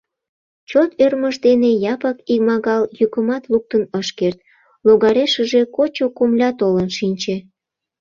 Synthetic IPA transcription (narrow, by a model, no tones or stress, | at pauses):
t͡ɕot̪ørməʃt̪enejɑpəkikmɑɣɑljykəmɑt̪luk̚t̪ənəʃkert̪̚ | loɣɑɾeʃəʒekot͡ɕokomlʲɑt̪olənʃinʲt͡ɕe